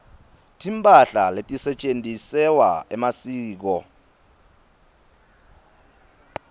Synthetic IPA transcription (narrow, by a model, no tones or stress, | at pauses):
tʰimpʼaɬaletʼisɛt͡ʃʼentʼisɛwaɛmasiːk̬ɔ